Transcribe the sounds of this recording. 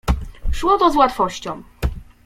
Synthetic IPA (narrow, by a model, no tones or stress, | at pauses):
ʂwɔt̪ɔzwat̪fɔɕt͡ɕɔ̃w̃